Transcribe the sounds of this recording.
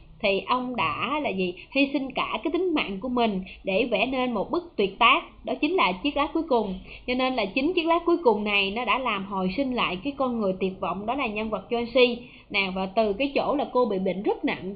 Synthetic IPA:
t̪ʰi˨˩ʔə˧wŋ͡mɗa̰ː˧˥˦laː˨˩vi˨˩hi˧sï˧ŋkaː˧˩kaː˨˦jt̪i˨˦ŋ̟ma̰ː˧˨nku˧˩əmï˨˩ŋ̟ɗe˧˩vɛ̰˧˩ne˧nmo˨˩t̚ɓɨ˦˥k̚t̪wi˨˩ət̚t̪aː˦˥k̚ɗɔ˨˦t͡ɕï˨˦ŋ̟laː˨˩t͡ɕi˦˥ək̚laː˦˥ku˨˦jkʊ˨˩ŋ͡mt͡ɕɔ˧ne˧nlaː˨˩t͡ɕï˨˦ŋt͡ɕi˦˥ək̚laː˦˥ku˨˦jkʊ˨˩ŋ͡mna˨˩jnɔ˨˦ɗa̰ː˧˥laː˨˩mɦo˨˩jsï˧ŋ̟la̰ː˧˨jkaː˨˦jkɔ˧nŋɨ˨˩əjt̪i˨˩ət̚vɔ̰˧˨wŋ͡mɗɔ˨˦laː˨˩ɲa˧nvə˨˩t̚t͡ɕwa˧nsi˧ | naː˨˩vaː˨˩t̪ɨ˨˩kaː˨˦jt͡ɕo̰˧˥laː˨˩ko˧ɓḭ˧˨ɓḭ˧˨ŋ̟zə˦˥t̚nə̰˧˨n

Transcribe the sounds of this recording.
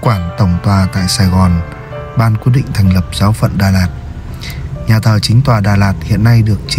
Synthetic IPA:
kwaː˧˩nt̪ə˧˩wŋ͡mt̪waː˧˩t̪a̰ː˧˨jsaː˧˩jɣɔ˨˩n | ɓaː˧nkwi˦˥əɗḭ̈˧˨ŋ̟t̪ʰɛ˨˩jŋ̟lə˨˩p̚z̥aː˨˦wfə̰˧˨nɗaː˧˩laː˨˩t̚ | ɲaː˨˩t̪ʰəː˨˩t͡ɕï˨˦ŋ̟t̪waː˨˩ɗaː˨˧˩laː˨˩t̚hḭ˧˨ənːa˧jɗɨ˨˩ək̚t͡ɕ

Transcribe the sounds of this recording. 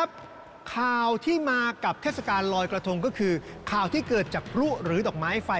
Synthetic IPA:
a˦˥p̚ | kʰaː˨˩wt̪ʰiː˥˩maː˧ka˨˩p̚t̪ʰeː˥˩t̪sa˧kaː˧nlɔː˧jkɾa˧t̪ʰu˧ŋkɔː˥˩kʰɯː˧kʰaː˨˩wt̪ʰiː˥˩kɤː˨˩t̪̚t͡ɕaː˨˩k̚pʰɾu˦˥˩ɾɯː˩˦dɔː˨˩k̚maː˦˥jfa˧

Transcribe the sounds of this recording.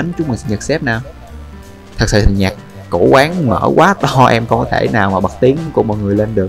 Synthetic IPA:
ə˨˦n˦t͡ɕʊ˨˦ŋ͡mmɨ˨˩sɲa˨˩k̚sɛ˦˥p̚naː˨˩w | t̪ʰɨ˨˩k̚sɨ̰˧˨˩t̪ʰi˨˩ɲa˨˩k̚ː | o˧˩kwaː˨˦ŋmə̰ː˧˩kwʔaː˨˦t̪ɔ˧ʔɛ˧mkɔ˧kɔ˨˦t̪ʰe˧˩naː˨˩wmaː˨˩ɓə˨˩k̚t̪i˨˦əŋ˨˦ko˧˩mɔ̰˨˩jŋɨ˨˩əjle˧nɗɨ˨˩ək̚

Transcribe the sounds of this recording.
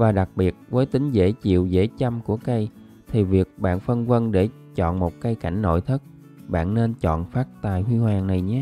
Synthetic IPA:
vaː˨˩ɗa˨˩k̚ɓi˨˩ət̚vəː˨˦jt̪ï˨˦ŋ̟zḛ˧˥t͡ɕḭ˧˨əwzḛ˧˥t͡ɕa˧mku˧˩əkə˧j | t̪ʰi˨˩vi˨˩ək̚ɓa̰ː˧˨nfə˧nvə˧nɗe˧˩ | t͡ɕɔ̰˧˨nmo˨˩t̚kə˧jka˧˩jŋ̟no̰˧˨jt̪ʰə˦˥t̚ | ɓa̰ː˧˨nne˧nt͡ɕɔ̰˧˨nfaː˦˥t̚t̪a̰ː˨˩jhwi˧hwaː˨˩ŋna˨˩jɲa˨˦

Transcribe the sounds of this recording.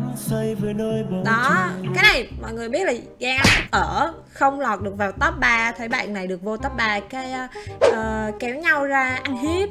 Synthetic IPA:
sə˧jve˨˩nəː˧jvɗɔ˨˦kaː˨˦jna˨˩jmɔ̰˧˨jŋɨ˨˩ɓi˦˥ət̚laː˨˩ɣaː˧ŋʔt̚ʔəː˧˩ | xə˧wŋ͡mlɔ˨˩t̚ɗɨ˨˩ək̚vaː˨˩wt̪əː˦˥p̚ɓaː˧t̪ʰə˨˦jɓa̰ː˧˨nːa˨˩jɗɨ˨˩ək̚vo˧t̪ɔː˦˥p̚ɓaː˧kaː˨˦jʔəː˨˩kɛ˨˦wɲa˧wzaː˧ʔa˧jŋ̟hi˦˥əp̚

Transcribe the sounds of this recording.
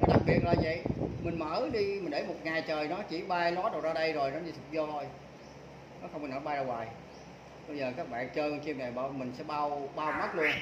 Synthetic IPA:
nɔ˨˦ɗa˨˩k̚ɓi˨˩ət̚laː˨˩və̰˧˨jmï˨˩ŋ̟mə̰ː˧˥˦ɗi˧mi˨˩nɗe˧˩˦mo˨˩t̚ŋaː˨˩jt͡ɕəː˨˩jnɔ˨˦t͡ɕḭ˧˥ɓaː˧jlɔ˨˦˥ɗə˨˩w̚zaː˧ɗə˧jzo˨˩jnɔ˨˦ɲɨ˧˩t̪ʰɨ˨˩k̚zɔ˧t̪ʰo˧˩j | nɔ˨˦xə˧wŋ͡mkːnəː˧˦ɓaː˧jzaː˧waː˨˩j | ɓə˧jzəː˨˩kaː˦˥k̚ɓa̰ː˧˨nt͡ɕəː˧xi˧əmna˨˩ɓaː˧mï˨˩ŋ̟sɛ̰˧˥ɓaː˧wɓaː˧wmə˦˥t̚lu˧ən

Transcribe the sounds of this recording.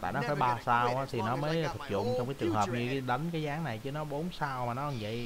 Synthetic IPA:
t̪a̰ː˧˨jnɔ˨˦faː˧˩jɓaː˧saː˧wʔaː˨˦t̪ʰi˨˩nɔ˨˦məː˨˦jt̪ʰə˨˩k̚zʊ̰˧˨ŋ͡mt͡ɕɔ˧wŋ͡mkaː˨˦jt͡ɕɨ˨˩əŋhəː˨˩p̚ɲɨ˧ɗə˨˦ŋkaː˨˦jzaː˨˦ŋna˨˩jt͡ɕɨ˨˦nɔ˨˦ɓo˨˦nsaː˧wmaː˨˩nɔ˨˦ʔŋzə̰˧˨j

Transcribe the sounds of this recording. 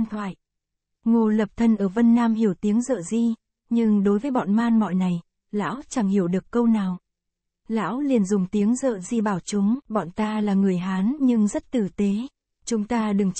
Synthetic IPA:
nt̪ʰwa̰ː˧˨j | ŋo˨˩lə˨˩p̚t̪ʰə˧nʔəː˧˩və˧nːaː˧mhi˧˩əwt̪i˨˦əŋzə̰ː˧˨zi˧ | ɲɨ˧ŋɗo˨˦jvəː˨˦jɓɔ̰˧˨nmaː˧nmɔ̰˧˨jna˨˩j | la̰ː˧˥wt͡ɕa˧˩ŋhi˧˩əwɗɨ˨˩əkkːə˧wnaː˨˩w | la̰ː˧˥wli˨˩ənzʊ˨˩ŋ͡mt̪i˨˦əŋzə̰ː˧˨zi˧ɓaː˧˩wt͡ɕʊ˨˦ŋ͡mɓɔ̰˧˨nt̪aː˧laː˨˩ŋɨ˨˩əjɦaː˨˦nɲɨ˧ŋzə˦˥t̚t̪ɨ˨˩t̪e˨˦ | t͡ɕʊ˨˦ŋ͡mt̪aː˧ɗɨ˨˩ŋ

